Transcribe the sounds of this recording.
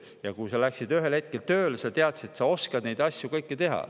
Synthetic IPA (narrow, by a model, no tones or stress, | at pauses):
jɑkujsɑlæksid̪yɦe̞lhe̞t̪̚kelt̪ø̞ːlesɑt̪e̞ɑt̪set̪sɑo̞skɑd̪nejd̪ɑsʲjukɤjkːet̪e̞ɦɑ̰